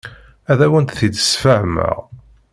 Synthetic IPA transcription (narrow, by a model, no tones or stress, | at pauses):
æðæwənt̪θid̪əsfəʕmə̰ʁ